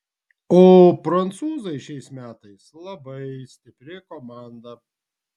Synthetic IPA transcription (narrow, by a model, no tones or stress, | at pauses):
oːpɾɐnt̪suːzɐɪʃʲɛɪsmʲæːt̪ɐɪslˠɐbɐɪsʲt̪ʲɪpʲɾʲɪkoːmɑˑnd̪ɐ